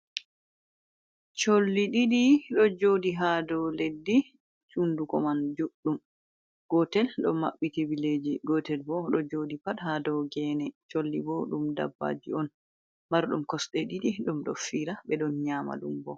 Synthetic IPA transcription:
t͡ʃolːiɗiɗiɗɔd͡ʒodiɦadɔwledːi | t͡ʃundukɔmand͡ʒuɗːum | ɡ̥ɔtɛlɗɔma̰ɓːitibiled͡ʒiɡɔtɛlbɔɗɔd͡ʒoːdipaɗhadɔwɡɛnɛt͡ʃolːibɔɗumda̰bːa̰d͡ʒiɔn | maɾɗumkɔsɗɛɗiɗiɗumɗɔfiɾabɛɗɔnɲaːma̰ɗṵmbɔ

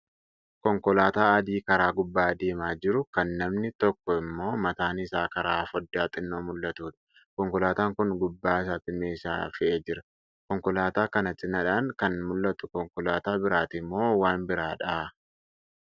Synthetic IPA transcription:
kɔŋkɔlaːt̪aːɐd̪iːkɐɾaːɡʊbːaːd̪eːmaːd͡ʒɪɾʊkɐnːɐmnɪt̪ɔkːɔɪmːo̞ːmɐt̪aːnɪsaːkɐɾaːfɔd̪ːaːt̪ʼɪnːoːmʊlːɐt̪uːᶑɐ̥ | kɔŋkɔlaːt̪aːŋkʊnɡʊbːaːɪs̬aːt̪ɪmeːsa̰ːfɪʔeːd͡ʒɪɾɐ | kɔŋkɔlaːt̪aːkɐnɐt̪ʼɪnːɐᶑaːŋkɐnmʊlːɐt̪ʊ̥kɔŋkɔlaːt̪aːbɪɾaːt̪ɪmːo̞ːwaːnbɪɾaːᶑaː

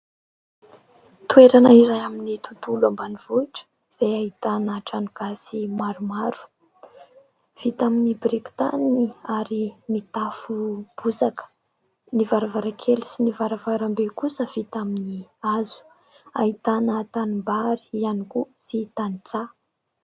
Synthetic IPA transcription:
t̪ueɾanaiɾajaminit̪ut̪ulambaniv̥oiʈ͡ʂə̥ | iz̥ajait̪anəʈ͡ʂanuɡ̥asimaɾumaɾu̥ | v̥it̪aminibrikt̪aniaɾimit̪afub̥uzakə̥ | nivaɾavaɾakʰelisinivaɾavaɾambekusəv̥it̪aminiazu̥ | a̰it̪anət̪animbaɾi̥ianikusit̪anit͡sa

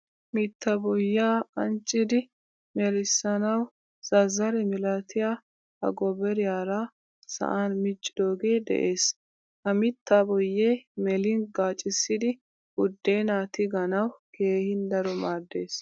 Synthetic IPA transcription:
mɪt̪ːabɔjːaːɐnt͡ʃʼːɪd̪ɪ | mɛɾɪsːɐnɐw | z̥ɐzɐɾɛmɪlɐt̪ɪjaː | hɐ̰ɡɔbɛɾɪjaːɾaː | sɐ̰ʔaːnmɪt͡ʃʼːɪd̪o̞ːɡe̞ːd̪ɛ̰ʔe̞ːs | hɐmɪt̪ːabɔjːeːmɛlɪnɡaːt͡ʃʼːɪsːɪd̪ɪ | ʊd̪ːeːnaːt̪ɪɡɐnɐwke̞ːhɪnd̪ɐɾɔmaːd̪ːe̞ːs

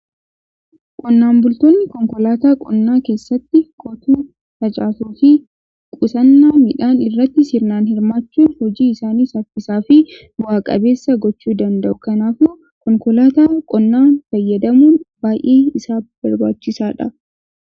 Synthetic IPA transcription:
kʼɔnːaːnbʊlt̪oːnːɪkɔŋkɔlaːt̪aːkʼɔnːaːke̞ːsːɐt̪ːɪkʼɔt̪uː | t̪ɐt͡ʃʼaːsuːfi | kʼʊsɐnːaːmɪᶑaːnɪrːɐt̪ːɪsɪɾnaːnhɪɾmaːt͡ʃːuːnhɔd͡ʒiːɪsaːniːsɐfɪsaːfɪ | bʊaːkʼɐ̰be̞ːsːɐɡɔt͡ʃːuːd̪ɐnd̪ɐʔʊkɐnaːfʊː | kɔŋkɔlaːt̪aːkʼɔnːaːnfɐjːɐd̪ɐmuːnbaːjʔeːɪsaːb̥ɐɾbaːt͡ʃːɪsaːᶑɐ

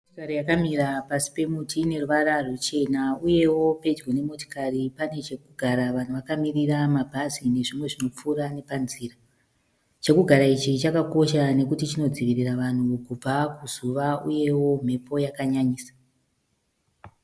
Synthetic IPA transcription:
otikaɾijakamiɾapasi̥pe̞mutine̞ruʋararut͡ʃe̞nauje̞wo̞pe̞d͡ʒɡone̞mo̞ti̥karipane̞t͡ʃe̞kuɡʱaɾaʋan̤uʋakamiriramabʱazine̞ʐimwe̞ʐino̞p͡fuːɾane̞panziːra | t͡ʃe̞kuɡʱaɾait͡ʃit͡ʃakako̞ʃane̞kutit͡ʃino̞d͡ziʋiriraʋan̤ukub͡vakuzuʋauje̞wo̞m̤e̞pʰo̞jakaɲaɲiːsḁ

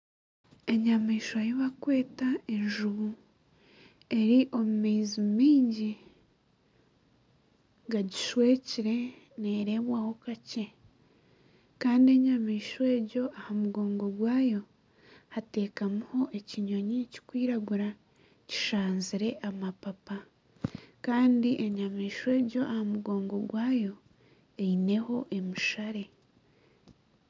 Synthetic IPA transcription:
e̞ɲamiːʃojiβakwe̞ːtae̞ɲʒuβu | e̞ɾiʔo̞mumeːzimiːɲɟi | ɡaɟiʃwe̞ːciɾe̞ | neːɾe̞βwaho̞kace̞ | kaːndie̞ɲamiːʃwe̞ːɾɟo̞ʔahamuɡo̞ːŋɡo̞ɡwaːjo̞ | hate̞ːkamuho̞ʔe̞ciɲo̞ɲici̥kwiːɾaɡuɾa | ci̥ʃaːnziɾe̞ʔamapapa | kaːndiʔeɲamiːʃwe̞ːɟo̞ʔahamuɡo̞ːŋɡo̞ɡwaːjo̞ | eine̞ho̞ʔe̞muʃaɾe̞

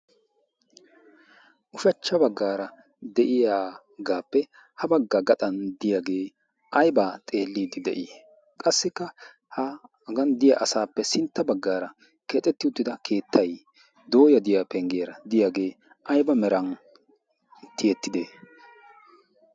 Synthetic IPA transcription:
ʔʊʃɐt͡ʃːɐbɐɡːaːɾɐ | d̪ɛʔɪjaː | ɡaːpːɛ | hɐbɐɡːɐɡɐt̪ʼɐnd̪ɪjaɡe̞ː | ɐjbaːt̪ʼe̞ːlːiːd̪ɪd̪ɛ̰ʔɪ | kʼɐsːɪkːɐ | hɐ | ɡɐnd̪ɪjaʔɐsaːpːɛsɪnt̪ːɐbɐɡːaːɾɐ | keːt̪ʼːɛt̪ːɪʊt̪ːɪd̪ɐkʰe̞ːt̪ʰːɐj | d̪o̞ːjɐd̪ɪjapɛŋɡɪjɐɾɐd̪ɪjaɡe̞ː | ʔɐjbɐmɛɾɐn | t̪ɪjɛt̪ːɪd̪eː

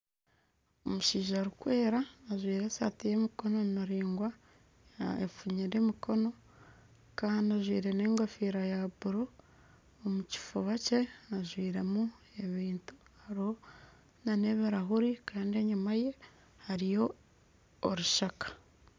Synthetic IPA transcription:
omuʃiːʒaɾukwe̞ːɾaːʒwiːɾesa̰tije̞miko̞no̞naɾiːŋɡwa | ḛfuɲiɾe̞mikʰo̞no̞ | kaːndiaʒwḭːɾe̞ne̞ːŋɡafiːɾajabuɾoː | muci̥fuβace̞aʒwiːɾe̞mue̞βiːntu̥haɾiho̞ | nane̞βiɾaɦuɾikaːndie̞ɲumaje̞ | haɾijo̞ː | ɾuʃakḁ

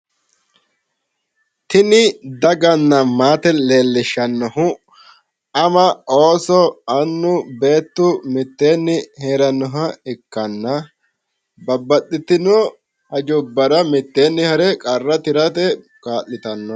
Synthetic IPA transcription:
t̪ɪnɪd̪ɐɡɐnːɐmaːt̪ɛle̞ːlːɪʃɐnːɔhʊ | ɐmɐʔoːsɔɐnːʊbe̞ːt̪ːʊmɪt̪ːeːnːɪheːɾɐnːɔɦɐɛkːɐnːɐ | bɐbːɐɗːɪt̪ɪnːɔ | hɐd͡ʒʊbːɐɾɐmɪt̪ːeːnːɪhɐɾɛkʼɐrːɐt̪ɪɾɐt̪ɛ | kaːʔːɪt̪ɐnːɔ

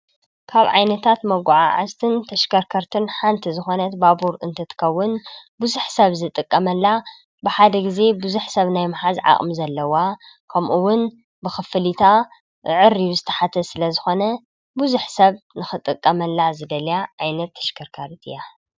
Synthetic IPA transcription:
kʰaβʕa̰jnɐt̪ʰat̪mɐɡʷʕa̰ʕa̰zt̪ʰɨnt̪ʰɐʃkʰɐɾkʰɐɾt̪ʰɨnħant̪ʰizɨxo̞nɐt̪babuɾɨnt̪ʰɐt̪ʰɨ̥kʰɐwːʊnbuzuħsɐβzɨt̪ʼɨkʼːɐmɐlːa | bɨħad̪ɐɡize̞buzuħsɐβnajmɨħazʕa̰χʼmzɐlːɐwa | kʰɐmʔuwʊn | bɨxɨfɨlit̪ʰa | ɨʕɨɾːizɨt̪ʰɐ̥ħat̪ʰɐsɨlɐzɨxo̞nɐ | buzuħsɐβnɨxɨt̪ʼɨkʼːɐmɐlːazɨd̪ɐljaʕajnɐt̪ʰːɐ̥ʃkʰɐɾkʰɐɾt̪ʰɨ̰ja

